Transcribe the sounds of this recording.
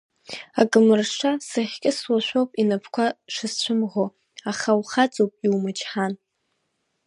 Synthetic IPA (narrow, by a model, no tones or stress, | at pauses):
akʼɨmɨrʂasɨχʲkʲʼɪswaʃʷowpʼinapʰkʷʰaʂɨst͡ɕʷʰʊmʁo | aχawχat͡sʼowpʼiwmɨt͡ʃʰʼħan